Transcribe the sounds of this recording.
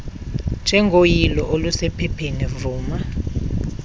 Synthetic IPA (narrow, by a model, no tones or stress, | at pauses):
nd͡ʒʱɛŋɡʱojilɔʔolusɛpʰɛpʰenivuːma